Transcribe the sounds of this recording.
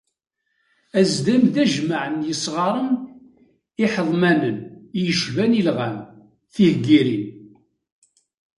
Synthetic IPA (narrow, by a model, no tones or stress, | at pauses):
æzd̪æmðæʒməʕənjəsˤʁɑɾˤən | ɪħəðˤmænənjəʃvænilʁæm | θihɡiɾin